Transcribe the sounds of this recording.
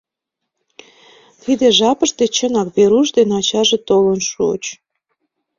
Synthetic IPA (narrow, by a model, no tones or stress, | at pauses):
t̪ʰid̪eʒɑpəʃt̪et͡ɕənɑkβeɾuʃd̪enɑt͡ɕɑʒet̪olənʃṵt͡ɕ